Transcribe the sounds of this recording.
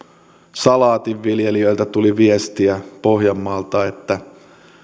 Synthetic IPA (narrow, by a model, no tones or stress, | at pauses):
sɑlɑːt̪iʋːiljeliøjlt̪æt̪uliʋiest̪iæpo̞hjɑmːɑːlt̪ɑet̪ːæ